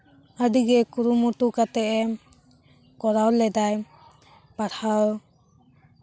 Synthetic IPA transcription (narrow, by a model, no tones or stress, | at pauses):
adiɡɛkuɾumutukat̪ɛʔɛ | kɔɾawlɛd̪aj | paɽhaw